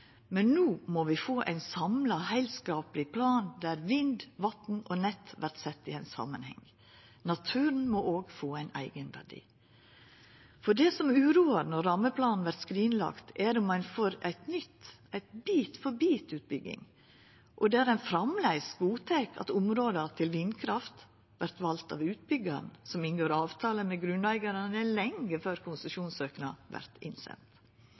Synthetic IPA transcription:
mɛnːuːmɔʋɪfoːʔæ̰ɪnsɑmlɑhæɪlskɑːplɪpʰlɑːnd̪æɾʋɪnd̪ʋɑt̪n̩ɔːnɛt̪ːʋæɾʈ̪sɛt̪ːɪæɪnsɑ̰mənhɛ̰ŋ | nɑt̪ʰʉːɾn̩mɔʔoːɡfoːæɪnæ̰ɪɡənʋæ̰ɖḭː | fɔɖɛsɔmʉːɾuːəɾnɔɾːɑmːəpʰlɑːnn̩ʋæɾt̪skɾiːnlɑ̰kt̪ʰɛɾʊmːɑnfoːɾæɪt̪nʏt̪ | æɪt̪biːt̪fɔɾbiːt̪ʉːt̪̚bʏɡɪ̰ŋ | ʔɔd̪ɛæːɾæɪnfɾɑmlæɪsɡuːt̪ʰɛkʰɑ̰t̪ʊmɾoːd̪əɑt̪ʰɪlʋɪnkʰɾɑft̪ | ʋæɾt̪ʋɑlt̪ɑ̰ʋʉːt̪̚bʏɡɑ̰nsɔmɪnɡoːɾɑːʋt̪ʰɑːləmɛɡɾʉnæɪɡɑɾənəlɛŋɡəføːɾkʰʊnsʉʃuːnsøːknɑʋæ̰ɾt̪ʰɪ̰nsɛ̰nt̪

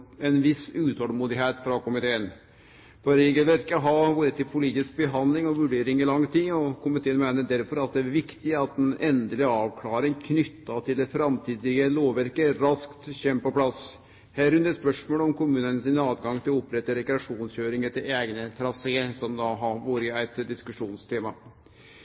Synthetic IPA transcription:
ɛnʋɪsʉːt̪ʰɔlmuːd̪ɪɦeːt̪fɾɑkʊmɪt̪ʰeːən | fɔɾɾeːɡəlʋæɾkːəɦɑʋuːɾət̪ɪlpʰʊliːt̪ɪsk̚bəɦɑnd̪lɪŋɔʋʉɖeːɾɪŋɪlɑŋːt̪ʰiːɔkʰʊmɪt̪ʰeːənmæɪnəd̪æɾfɔɾɑt̪̚d̪ɛæɾʋɪkt̪ɪɑt̪̚d̪ɛnɛnd̪əlɪɡəɑːʋkʰlɑːɾɪŋkʰnʏt̪ːɑt̪ʰɪld̪ɛfɾɑmt̪ʰiːd̪ɪɡəloːʋʋæɾkəɾɑskt̪çɛmːpɔpʰlɑs | hæːɾɾʉnəɾspœʂmoːlɔmkʊmʉːnənəsɪnɑːd̪ɡɑŋt̪ɪlʊpɾɛt̪ːəɾɛkɾɛɑʂuːnsçøːɾɪŋət̪ʰɪleːɡnət̪ʰɾɑseːsɔmd̪ɑɦɑʋuːɾəæɪt̪d̪ɪskʉʂuːnst̪ʰeːmɑ

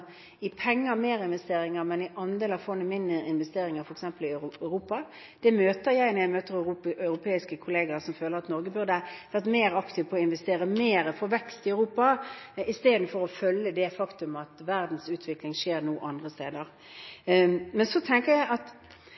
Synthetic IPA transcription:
ɪpʰɛŋːəmeːɾɪnʋɛst̪eːɾɪŋəɾmɛnɪʔɑnd̪eːlɑʋfɔnːəmɪnd̪əɪnʋɛst̪eːɾɪŋəɾfɔɾɛksɛmpəlɪɾuːpɑ | d̪̥ɛmøːt̪əɾjæɪnɾjæɪmøːt̪əɾœʉɾʊpʰeːɪskəkʰʊleːɡəɾsɔmføːləɾɑt̪nɔɾɡəbʉʁd̪əʋæʁt̪meːɾɑkt̪ʰɪʋpʰɔɔɪnʋɛst̪eːɾəmeːɾəfɔɾʋɛkst̪ɪœʉɾuːpɑɪst̪eːd̪n̩fɔɾɔfœlːəd̪ɛfɑkt̪ʉmɑt̪ʋæʁd̪n̩sʉːt̪ʰʋɪklɪŋʂeːɾnuːʔɑnd̪ʁəst̪eːd̪əʁ | mɛnsɔt̪ʰɛŋkəɾjæɪʔɑt̪

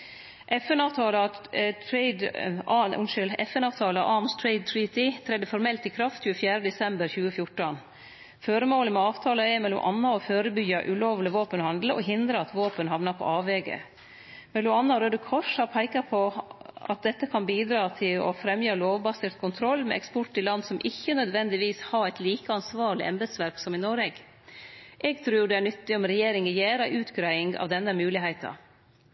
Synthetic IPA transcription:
ʔɛfɛnɑːʋt̪ʰɑːləɑt̪ʰɾɛɪd̪ | ʊnʃʏlɛfɛnɑːʋt̪ʰɑːlɑʔɑnst̪ʰɹɛɪd̪̚t̪ʰɹiːt̪ɪt̪ʰɾɛd̪ːəfɔɾmɛlt̪ikʰɾɑft̪ɕçʉːəfjæːɾəd̪ɛsɛmbəɾçʉːəfjʊʈən | føːɾəmoːləmɛɑːʋt̪ʰɑːləɛɾmɛlʊmʔɑnːɑɔføːɾəbʏɡɑʔʉloːʋləʋoːpənhɑnd̪ləʔɔɦɪnd̪ɾəɑt̪ʋoːpənhɦɑʋnɑpʰɔ̰ʔɑːʋɛːɡə̰ | mɛlːɔmɑnːɑɾød̪əkʰɔʂhɑpʰæɪkɑpʰɔɑ̰t̪̚d̪ɛt̪ːəkʰɑnbiːd̪ɾɑːt̪ʰɪlɔ̰fɾɛmjɑloːʋbɑsɪɾt̪̚kʰʊnt̪ʰɾɔlːmɛ̰ɛkspɔʈːɪlɑnːsɔmʔɪçːənœd̪ʋɛnd̪ɪʋiːshɑɾæɪt̪liːkəɑnsʋɑːɭɪ̰ʔɛmbəd̪sʋæɾpsɔmɪnɔɾɛɡ | ʔɛɡ̚t̪ʰɾʉːɖɛæɳʏt̪ːɪɔmɾɛjeːɾɪŋəjeːɾɑʔʉːt̪ɡɾæɪɪŋɡɑ̰ʋd̪ɛnːəmʉːlɪɦæɪt̪ɑ̰

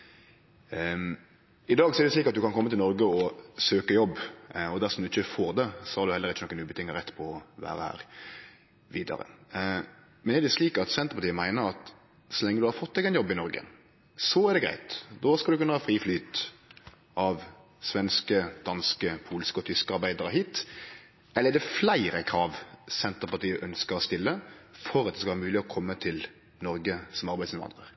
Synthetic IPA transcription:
ɪd̪ɑːɡsɔɛɾd̪ɛsliːkɑt̪̚d̪ʉkɑnkʰɔmːət̪ɪlɔɾɡəɔsøːkəjɔbːɔd̪æʁsɔmd̪ʉɪçːəfoːɾd̪ɛsɔhɑɾd̪ʉhɛlːəɾɪçːənɔkːənʉːbət̪ʰɪŋːəɾɛt̪ːpʰɔɔʋæ̰ːʁəhæ̰ːɾ | ʋiːd̪ɑ̰ɾə̰ | mɛnɛɾɖ̪ɛsliːkɑt̪sɛnt̪əɾpɑt̪iːəmæɪnəɾɑt̪ | sɔlɛŋːəd̪ʉhɑɾfɔt̪ːɛɡɛnjɔbːɪnɔɾɡə̰ | sɔæɾd̪ɛɡɾæ̰ɪt̪d̪oːskɑld̪ʉkʉnːəhɑːfɾiːflyːt̪ | ʔɑʋ | sʋɛnskəd̪̥ɑnskəpʰuːlskəɔt̪ʰʏskəɑɾbæɪd̪ɑɾəɦiːt̪ | ʔɛlːəɛd̪ɛflæɪɾəkʰɾɑːʋsɛnt̪əʁpɑt̪iːəʔœnskəɾɔst̪ɪlːəfɔɾɑt̪̚ɛskɑʋɑɾmʉːlɪɔkʰɔmːət̪ʰɪl | nɔɾɡəsɔmɑɾbæɪsɪnʋɑ̰nd̪ʁəɾ

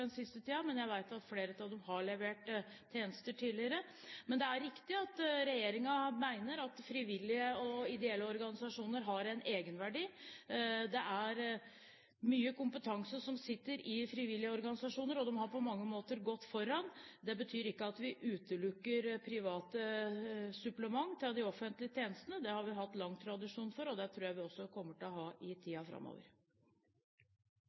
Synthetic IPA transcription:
ɛnsɪst̪ət̪ʰiːɑmɛnjæɪʋæɪt̪ɑt̪fleːɾət̪ɑʋd̪ɛmɦɑɭɛʋeːʈt̪ʰːeːnəst̪əʈʰiːlɪəɾə | mɛnd̪ɛæɾːɪkt̪ɪɑt̪ɾɛjeːɾɪŋɑmæɪnəɾɑt̪fɾiʋɪlːɪəɔɪd̪ɛɛlːəɔɾɡɑnɪsɑʂuːnəɾɦɑɾæɪnʔeːɡənʋæɖiː | d̪ɛʔæɾ | myːəkʊmpət̪ʰɑŋsəʂɔmsɪt̪ːəɾɪfɾɪʋɪljəɔɾɡɑnɪsɑʂuːnəɾɔd̪ɛmhɑɾpʰɔmɑŋːəmoːt̪əɾɡɔt̪ːfɔɾːɑnd̪ɛbət̪ʰyːɾɪkːəɑt̪ʋɪʔʉːt̪əlʉkːəɾpʰɾɪʋɑːt̪ə | sʉpləmɑŋːt̪ʰɪɑd̪ɪɔfənt̪lɪət̪ʰjeːnəst̪ənəd̪ɛhɑɾʋɪɦɑt̪ːlɑŋːt̪ʰɾɑd̪ɪʂuːnfɔɾɔd̪ɛt̪ʰɾuːjæɪʋɪɔsːɔkʰɔmːəʈɪlɔɦɑːʔɪt̪ʰiːɑfɾɑ̰mːo̰ːʋə̰ɾ

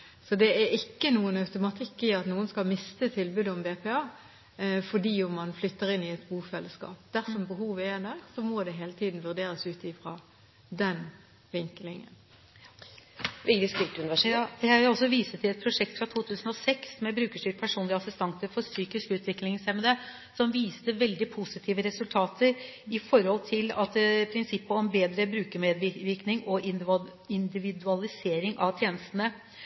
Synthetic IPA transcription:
sɔd̪ɛæɾɪkːənuːənɑʉt̪ʊmɑt̪ʰɪkːɪɑt̪nuːənskɑlmɪst̪ət̪ʰɪlbʉːd̪əɔmbeːpɛɑː | fɔɖiːʊmɑnflʏt̪ːəʁɪnːɪɛt̪buːfɛlːəskɑ̰ːpd̪̥æʁsɔmbəɦuːʋəɛd̪æːʁsɔmɔd̪ɛɦeːlət̪ʰiːd̪n̩ʋʉʁd̪eːɾəsʉːt̪ɪfɾɑ | d̪ɛn | ʋɪŋkəlɪŋə̰n | ʋɪd̪ɪskɪlt̪ʉnɪʋæʂjæʋɪlɔlsɔʋiːsət̪ʰɪlɛt̪̚pʰɾʊʂɛk̚t̪fɾɑt̪ʰuːt̪ʰʉːsən̩ɔsɛksmɛbɾʉːkəʂʈyːɾ̚pʰæʂuːnlɪəɑsɪst̪ʰɑnt̪əɾfɔɾsyːkɪskʉːt̪ʰʋɪkːlɪŋsɛmɛd̪ɛ | sɔmʋiːst̪əʋɛld̪ɪpʰusɪt̪ʰiːʋəɾɛsʉlt̪ʰɑːt̪ʰəɾɪfɔɾhɔlt̪ʰɪlɑt̪pʰɾɪnsɪpːəɔmbeːd̪ɾəbɾʉːkəmeːd̪ʋɪʋɪɾknɪŋɔɪ | ɪnd̪ɪʋɪd̪ʉɑlɪseːɾɪŋʔɑʋt̪ʰjeːnəst̪ənə

